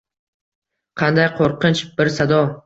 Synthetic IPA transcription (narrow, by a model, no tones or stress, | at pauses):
qʰɑnd̪ajqʰoɾqɨnt͡ʃbɪɾsad̪ɒ